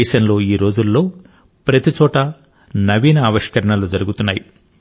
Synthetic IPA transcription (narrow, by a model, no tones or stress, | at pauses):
ɛːʃɐnlo̞ːiːɾo̞ːd͡ʒulːo̞ː | pɾɐt̪it͡ʃɔːʈɐ | nɐʋiːnɐːʋɐʂkɐɾɐɳɐlud͡ʒɐɾuɡut̪unːaːji